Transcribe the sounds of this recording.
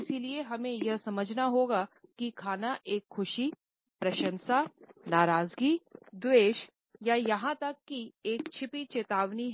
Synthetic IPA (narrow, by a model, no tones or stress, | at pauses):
ɪsilieɦɐmẽjɐɦsɐməd͡ʒʱnaɦoːɡakikʰaːnaʔeːkxʊʃi | pɾɐʃə̃nsanaːɾaːzɡiːd̪ʋeːʃ | jajɐɦãt̪ɐkːieːk̚t͡ʃʰɪpit͡ʃeːt̪aːʋniɦ